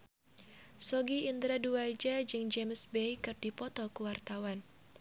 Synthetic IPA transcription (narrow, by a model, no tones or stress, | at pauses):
sɔɡiind̪ɾaduad͡ʒad͡ʒɨŋd͡ʒemsbejkɨrdipɔt̪ɔkuwart̪awan